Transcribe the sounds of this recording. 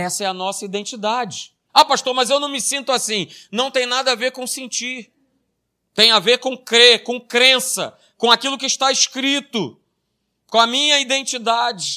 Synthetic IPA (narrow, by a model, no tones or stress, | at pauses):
ɛsɐɛɐnɔsɐid̪ẽnt͡ʃid̪ad͡ʒɪ | apaʃt̪oɾmɐzewnɐ̃w̃mɪsĩnt̪ʊasĩnɐ̃w̃t̪ẽj̃nad̪ɐaveɾkõw̃sẽnt͡ʃiɾ | t̪ẽj̃aveɾkõkɾeɾkõkɾẽsɐ̰ | kõakilʊkɪːʃt̪aɪskɾit̪ʊ | kõɐmĩɲɐid̪ẽnt͡ʃid̪ad͡ʒɪ